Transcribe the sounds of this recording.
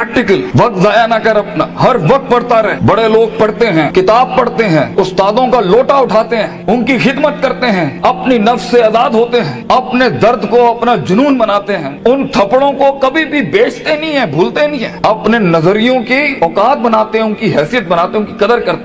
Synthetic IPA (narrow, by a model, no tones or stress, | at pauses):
ɾʈɪkəlʋɐk̚t̪zaːjanakəɾɐpnaɦɐɾʋɐk̚t̪̚pɐɽt̪aɾɐɦɛbɐɽeloːɡ̚pɐɽt̪eɦɛ̃ːkɪt̪aːb̚pɐɽt̪eɦɛ̃ːʊst̪aːd̪õkaloːʈaʊʈʰaːt̪eɦɛ̃ːʊnkixɪd̪mət̪̚kɐɾt̪eɦɛ̃ːɐpninɐfsːeɐzaːd̪ɦoːt̪eɦɛ̃ːɐpned̪ɐɾd̪ʱkoɐpnad͡ʒʊnuːnbɐnaːt̪eɦɛ̃ːʊnt̪ʰɐpɽõkokɐbʱibʱibeːt͡ʃʰt̪enɐɦĩɦɛ̃bʱuːlt̪enəĩɦɛ̃ːɐpnenɐzəɾijõkiɔːkaːt̪̚bɐnaːt̪eɦɛ̃ʊnkiɦɛːsijət̪̚bɐnaːt̪eʊnkikɐd̪əɾkɐɾt̪e